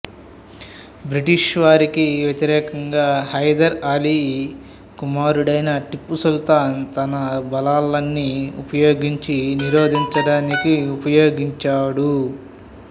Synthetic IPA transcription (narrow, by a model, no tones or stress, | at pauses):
bɾiʈiʂʋaːɾikiʋjet̪iɾɛːkɐŋɡaːhɐjd̪ɐɾaːliː | kumaːɾuɽɐjnɐʈipːusult̪aːnt̪ɐnɐbɐlaːlːɐnːiupɐjoːɡiɲt͡ʃiniɾoːd̪ʱiɲt͡ʃɐɽaːnikiupɐjoːɡiɲt͡ʃaːɽu